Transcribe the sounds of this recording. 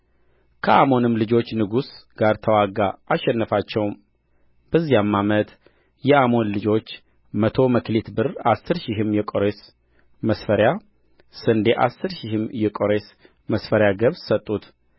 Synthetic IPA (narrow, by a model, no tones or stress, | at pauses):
kʰəʔamo̞nɨmlɨd͡ʒo̞t͡ʃːnɨɡusɡ̥aɾt̪ʰəwaɡaʔːʃːɛnːɨfat͡ʃːɛwm | b̥əzːijamːamət̪ | jɛamo̞nlɨd͡ʒo̞t͡ʃː | mət̪ʰo̞məklit̪bɨrasːɨɾʃɪɦɨmjɛkʼoɾes | məsfəɾja | sɨnd̪eʔasːɨɾʃihɨmjɛkʼoɾes | məsfəɾjaɡəβsət̪ʼːut̪